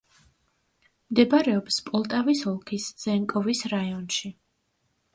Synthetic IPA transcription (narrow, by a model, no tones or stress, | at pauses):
md̪ɛbaɾɛɔpspʼɔlˠt̪ʼavisɔlˠkʰisd̪z̥ɛŋkʼɔvisɾaiɔnʃi